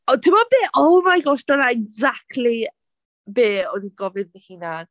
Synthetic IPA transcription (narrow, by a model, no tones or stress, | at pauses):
otʰɪmɔbeːʔowmajɡɔʃd̥ɔnaɛɡzak̚tli | beːɔniɡɔvɪnðɪhina